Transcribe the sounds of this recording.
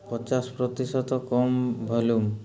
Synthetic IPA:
pɔt͡ʃaspɾot̪iʃɔt̪ɔkɔmbʱɔlum

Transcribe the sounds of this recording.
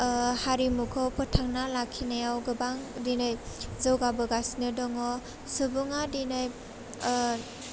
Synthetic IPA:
haɾimukʰɔpɔtʰaŋnalakʰinajawɡɯbaŋdinajzɯwɡabɯɡasnɯdɔŋɔ | subuŋadinaj

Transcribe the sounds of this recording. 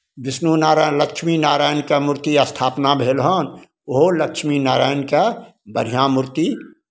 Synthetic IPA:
ʋɪsnunaːɾaləkʃʰminaːɾaːjnkamʊɾt̪iɐst̪ʰaːpnabʱeːlɦən | oɦoləkʃminaːɾaːjnkabəɾ̤ijãmʊɾt̪i

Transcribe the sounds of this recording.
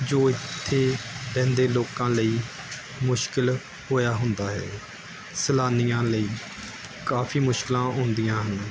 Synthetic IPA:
d͡ʒoːɪt̪ʰːeːbɛ̃ːnd̪eːloːkãːləiː | mʊʃkɪl | hoːjaːɦʊnd̪aːɦɛ̰ː | səlaːnɪjãːləiː | kaːfʰiːmʊʃkɪlãːɦʊ̃nd̪ɪjãːɦən

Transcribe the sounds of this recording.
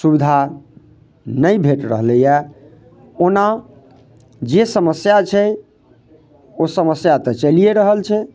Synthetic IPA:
subid̪ʱa | nəjbʱeʈɾəɦləja | ona | d͡ʒesəməsjat͡ʃʰɛ | osəməsjat̪ɔt͡ʃəlijeɾəɦəlt͡ʃʰɛ

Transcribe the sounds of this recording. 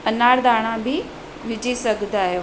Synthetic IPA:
ɐnaːɾd̪aːɽ̃ãbɪ | ʋɪd͡ʑisɐɡʱd̪ʱaːɦe

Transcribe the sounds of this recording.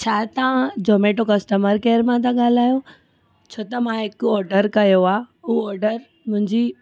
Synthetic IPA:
t͡ɕʰaːt̪ɐʋãd͡ʑoːmeːʈokɐsʈəməɾkeːəɾmãt̪ʰãɠaːl̤aːjo | t͡ɕʰoːt̪ɐmãɦɪkɔːɾɖəɾkɐjoaːʊɦɔːɾɖəɾ | mʊ̃ɦɪ̃ɲd͡ʑi

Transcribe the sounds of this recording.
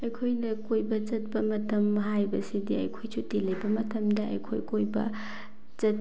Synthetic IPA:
ɐjkʰojnɐkojbɐt͡ʃɐt̚pɐmɐtʰɐmɦajbɐsidiɐ̰jkʰojsutilɐjbɐmɐtʰɐmdɐɐ̰jkʰo̰jkojbɐ̰ | t͡ʃɐt̚

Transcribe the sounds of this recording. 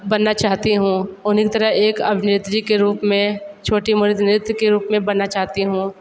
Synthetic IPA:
bɐnːat͡ʃaːɦt̪iɦũːʊnkit̪ɐɾəɦeːkɐbʱnɪɾt̪d͡ʒikeɾuːpmẽt͡ʃʰoːʈimʊɾt̪nɾɪt̪wkeɾuːpmẽbɐnːat͡ʃaːɦt̪iɦũː

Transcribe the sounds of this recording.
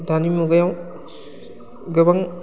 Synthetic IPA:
dʱanimuɡɯjaw | ɡɯbaŋ

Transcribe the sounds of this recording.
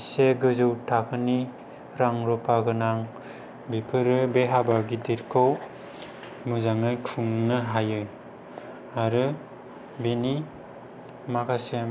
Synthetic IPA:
seɡɯzɯwtʰakʰɯni | ɾaŋɾɔpʰaɡɯnaŋ | bipʰɯɾɯbeɦabaɡidiɾkʰow | mɯzaŋɯjkʰuŋnɯɦajɯ | aɾɯ | beni | makʰase

